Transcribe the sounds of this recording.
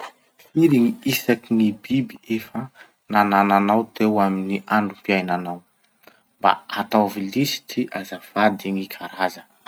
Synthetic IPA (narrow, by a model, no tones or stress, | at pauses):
fiɾiŋiisakinibibiefə | nanananawt̪ewaminiʔaɳɖ͡ʐupiajnanaw | mba̰at̪awvilisi̥tiʔazav̥ad̪iŋikʰaɾazə̥